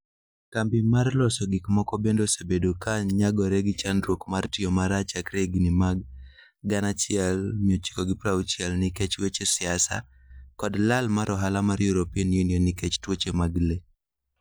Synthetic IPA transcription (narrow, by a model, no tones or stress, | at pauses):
kampimarlɔsɔɡɪkmɔkɔbendosebedokaɲaɡɔɾɛɡɪt͡ʃanɾwokmartɪɔmaɾat͡ʃakɾeɡinimaɡː | anat͡ʃɪɛlmɪɔt͡ʃi̥kɔɡɪpɾawt͡ʃɪɛlnɪket͡ʃwet͡ʃesɪasa̰ | kɔdlalmaɾʔɔɦalamaɾjuɾopiɛnjuniɔnːɪket͡ʃtwot͡ʃemaɡle